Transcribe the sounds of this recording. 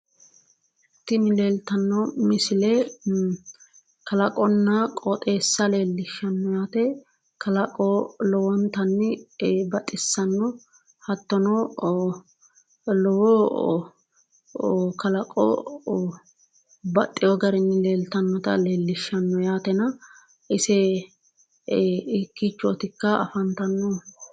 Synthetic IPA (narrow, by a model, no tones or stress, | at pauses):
t̪ːɪnɪleːlt̪ɐnːɔmɪsɪlɛ | kɐlɐkʼɔnːɐkʼɔt̪ʼe̞ːsːɐle̞ːlːɪʃːɐnːɔjaːt̪ɛ | kɐlɐkʼɔlɔwɔnt̪ɐnːɪbɐt̪ʼːɪsːɐnːɔ | hɐt̪ːɔnɔ | lɔwɔ | kɐlɐkʼːɔ̰ | bɐt̪ʼːɪjɔɡɐɾɪnːɪle̞ːlt̪ɐnːɔt̪ɐ̰le̞ːlːɪʃːɐnːɔjaːt̪ɛnɐ | ʔɪsɛ | ɪkːit͡ʃːʊɔt̪ɪkːɐɐ̰fɐnt̪ɐnːɔ